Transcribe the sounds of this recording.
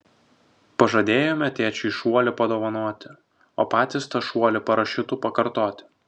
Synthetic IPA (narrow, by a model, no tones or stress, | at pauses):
pɐʒɐd̪ʲeːjoːmʲɛt̪ʲeːt͡ʃʲʊɪʃuɔlʲɪpɐd̪oːʋɐnoːɔt̪ʲɪ | o̰ːpɑːt̪ʲɪst̪ɐʃuɔlʲɪpɐɾɐʃʲɪt̪upɐkɐɾt̪oːt̪ʲɪ̥